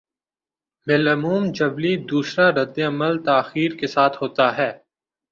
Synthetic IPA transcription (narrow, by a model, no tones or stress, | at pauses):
bɪlɐmuːmd͡ʒɐblid̪uːsɾaɾɐd̪ːeɐməlt̪aːxiːɾkesaːt̪ʰɦoːt̪aɦɛː